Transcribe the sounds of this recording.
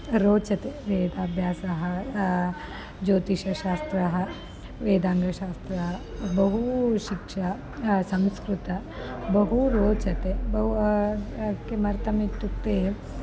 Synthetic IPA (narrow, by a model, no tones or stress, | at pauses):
ɾoːt͡ʃɐt̪eʋeːd̪aːbʱjaːsɐɦɐ | d͡ʒoːt̪iʃɐʃaːst̪ɾɐɦɐ | ʋeːd̪aːŋɡʱɐʃaːst̪ɾɐɦɐbɐɦuʃikʂɐ | sɐmskɾut̪ɐ | bɐɦuɾoːt͡ʃɐt̪ebɐɦ | kemɐɾt̪ɐmit̪ːuk̚t̪e